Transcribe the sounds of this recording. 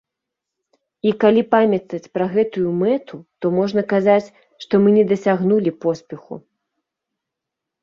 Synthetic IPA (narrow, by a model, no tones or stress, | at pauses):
ikalʲipamʲɐt̪ɐt͡sʲpɾɐɣɛt̪ujumɛt̪ʰut̪ɔmɔʐnɐkazat͡sʲ | ʂt̪ɔmɨnʲɛd̪ɐsʲaɣnulʲipɔsʲpʲɛxṵ